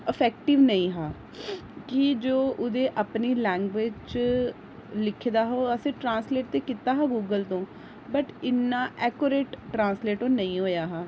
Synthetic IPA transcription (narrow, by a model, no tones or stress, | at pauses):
əpʰɛːk̚ʈɪʋnəĩːɦaː | kɪd͡ʒoːʔʊd̪eːʔəpniːlɛ̃ːŋɡʋeːd͡ʒt͡ʃ | lɪkʰːd̪aːɦoːəsẽːʈɾãːnsleːʈt̪eːkɪt̪aːɦaːɡuːɡəlt̪õː | bəʈɪnːaːʔɛːkoːɾeːʈːɾãːnsleːʈõːnəĩːɦoːjaːɦaː